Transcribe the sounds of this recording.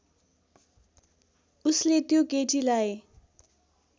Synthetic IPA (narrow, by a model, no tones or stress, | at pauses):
uslet̪jokeʈilae